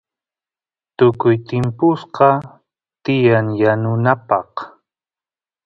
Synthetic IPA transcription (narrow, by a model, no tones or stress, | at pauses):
t̪ʊkʊjt̪ɪmpʊsqɑ | t̪ɪjaŋjanʊnapɑh